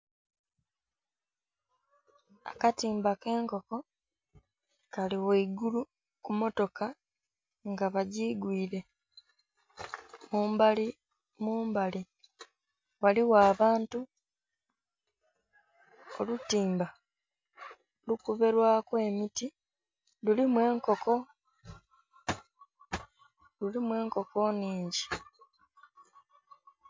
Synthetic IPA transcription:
a̰katiːmbake̞ːŋko̞ko̞ | kaliweiɡulu | kumo̞to̞ka | ŋɡaβaɟiːɡwiːɾe̞ | muːmbali | muːmbali | waliwaːβaːntu | o̞lutiːmba | lukuβe̞ɾwaːkwe̞miti | lulimwe̞ːŋko̞ko̞ | lulimwe̞ːŋko̞ko̞niːɲɟi

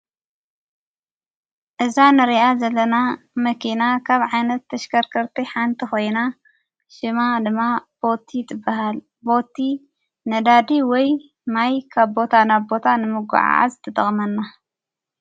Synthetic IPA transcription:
ʔɨzanɨɾiazɐlːɐnamɐkʰinakʰaβʕajnɐt̪ʰːɐʃkʰɐɾkʰɐɾt̪ʰiħant̪ʰixo̞jna | ʃɨmad̪ɨmːab̥o̞t̪ʰit̪ʰɨbːaɦal | bo̞t̪ʰːi | nɐd̪ad̪iwɔj | majkʰaβbo̞t̪ʰanaβbo̞t̪ʰanɨmɨɡʷʊ̰ʕa̰ʔa̰zɨt̪ʰɐt̪ʼɐχʼmɐnːa

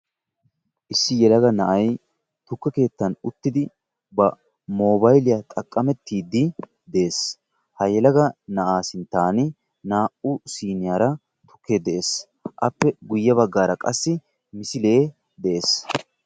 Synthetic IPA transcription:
ʔɪsːɪjɛlɐɡɐnɐʔɐj | t̪ʊkːɛke̞ːt̪ːɐnʊt̪ːɪd̪ɪ | bɐ | mo̞ːbɐjlɪjɐt̪ʼɐkʼːɐmɛt̪ːiːd̪ɪ | d̪ɛeːs | hɐjɛlɐɡɐnɐʔaːsɪnt̪aːnɪ | naːʔʊsiːnɪjaːɾɐ | t̪ʊ̥kʰːeːd̪ɛʔe̞ːs | ʔɐpːɛɡʊjːɐbɐɡːaːɾɐkʼɐsːɪ | mɪsɪle̞ː | d̪ɛʔeːs

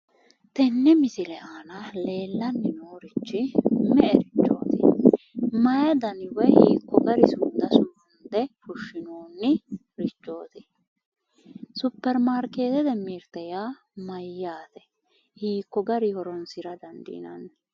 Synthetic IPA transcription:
t̪ɛnːɛmɪsɪlɛʔaːnɐle̞ːlːɐnːɪnoːɾɪt͡ʃːɪmɛʔɛɾɪt͡ʃːo̞̰ːt̪ɪ | mɐjɐd̪ɐnɪwɛhiːkːɔɡɐɾɪsʊnd̪ɐsʊʊnd̪ɛfʊʃːɪnoːnːɪ | ɾɪt͡ʃːo̞̰ːt̪ɪ̥ | sʊpːɛɾmaːɾke̞ːt̪ɛd̪ɛmːiːɾt̪ɛjaː | mɐjːaːt̪ɛ | hiːkːɔɡɐɾɪhɔɾɔnsɪɾɐd̪ɐnd̪ḭːnɐ̰n

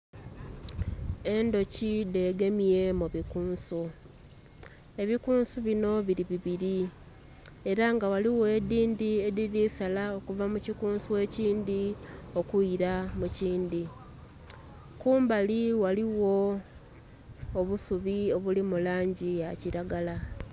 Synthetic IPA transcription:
e̞ndo̞cide̞ːɡe̞mie̞muβikuːnsu | e̞βikuːnsuβino̞βiɾiβiβiɾi | e̞ɾaŋɡawaliwe̞ːdiːndie̞diɾisalao̞kuvamucikuːnsuwe̞ːciːndio̞kuiɾamuciːndi | kuːmbaliwaliwo̞ | βusuβio̞βulimulaːɲɟijaciɾaɡala

